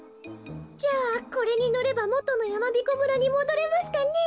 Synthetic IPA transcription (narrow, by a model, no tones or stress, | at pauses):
d͡ʑaːko̞ɾe̞ɲ̟ino̞ɾe̞bamo̞t̪o̞no̞jamabʲiko̞bɯ̟ɾaɲ̟imo̞d̪o̞ɾe̞masɨ̥kanːe